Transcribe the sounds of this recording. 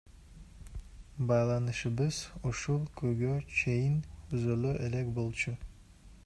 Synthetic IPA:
bɑjlˠɑnɯʃɯbɯz̥uʃulˠkʰøɡʲøt͡ʃʰejɪnyzøløʔelekʲbolˠt͡ʃʰʊ

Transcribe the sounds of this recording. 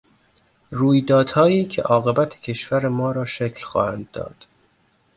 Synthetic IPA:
ruːjd̪ɒːd̪̥hɒːjiːcʰḛʔɒːɣe̞bæt̪ʰe̥cʰe̞ʃvæɾemɒːɾɒːʃecʰlxɒ̰ːhænd̪̚ːɒ̰ːd̪̥

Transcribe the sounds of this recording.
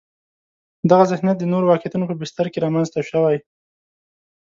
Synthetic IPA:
d̪aɣazɪxnjat̪̚d̪ənoɾowɑkjat̪unopəbɪst̪aɾkeɾɑmanzt̪aʃəwaj

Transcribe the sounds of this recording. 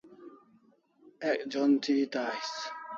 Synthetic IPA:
ɛkd͡ʒɔnt̪ʰit̪ajs

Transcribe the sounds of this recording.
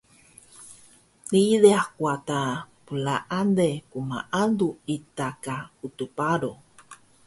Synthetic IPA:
niðeahkwat̪a | pulaʔandekuma̰ʔanduit̪akaut̪upaɾo

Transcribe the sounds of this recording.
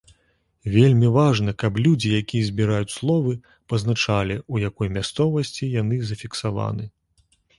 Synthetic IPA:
vʲelʲmʲivaʐnɐkɐblʲud͡zʲijakʲijɐzʲbʲiɾajut͡sʲslˠɔvɨ | pɐznat͡ʂalʲiujakɔjmʲast̪sɔvɐsʲt͡sʲijanɨzɐfʲiksava̰nɨ

